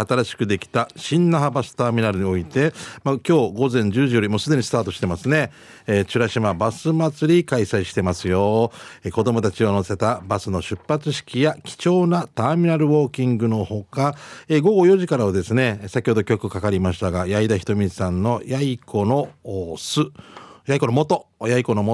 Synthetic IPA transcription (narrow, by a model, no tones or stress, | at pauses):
at̪aɾaɕi̥kɯ̟d̪e̞kʲi̥t̪aɕĩnːaɦabasɨ̥t̪aːmʲinaɾɯ̟ɲ̟io̞it̪e̞makʲo̞ːɡo̞zẽ̞ɲ̟d͡ʑɨːʑijo̞ɾʲimo̞ːsɨd̪e̞ɲ̟isɨ̥t̪aːt̪o̞ɕi̥t̪e̞masɨne̞ | t͡ɕɨɾaɕimabasɨmat͡sɨɾʲikaisaiɕi̥t̪e̞masɨjo̞eko̞d̪o̞mo̞t̪at͡ɕiono̞se̞t̪abasɨno̞ɕɨpːat͡sɨɕi̥kʲijakʲi̥t͡ɕo̞ːnat̪aːmʲinaɾɯ̟βo̞ːkʲĩŋɡɯ̟no̞ho̞kaeɡo̞ɡo̞jo̞ʑikaɾaβad̪e̞sɨne̞sakʲiho̞d̪o̞kʲo̞kɯ̟kakaɾʲimaɕi̥t̪aɡajaid̪açi̥t̪o̞mʲisãnːo̞jaikʰo̞no̞sɨjaiko̞no̞mo̞t̪o̞jaiko̞no̞mo